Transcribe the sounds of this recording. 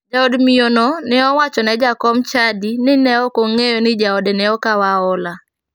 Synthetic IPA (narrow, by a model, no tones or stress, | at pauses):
d͡ʒaodmionɔnɪɔwat͡ʃɔnɛd͡ʒakɔmt͡ʃadinɪnɛɔkoŋejonɪd͡ʒaɔdɛnɛɔkawaɔla